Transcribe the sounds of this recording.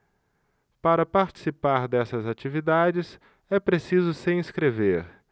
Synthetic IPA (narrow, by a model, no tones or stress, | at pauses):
paɾɐpaɾt͡ʃi̥sipaɾd̪ɛsɐzat͡ʃivid̪ad͡ʒɪs | ɛpɾesizʊsẽiskɾeveɾ